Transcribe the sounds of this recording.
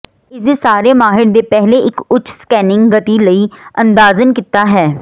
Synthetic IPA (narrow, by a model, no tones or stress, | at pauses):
ɪsesaːɾeːmaːɦɪɽd̪eːpɛɦleːʔɪkʊt͡ʃʰskɛːnɪŋɡɡət̪iːləiːə̃nd̪aːzənkɪt̪aːɦɛː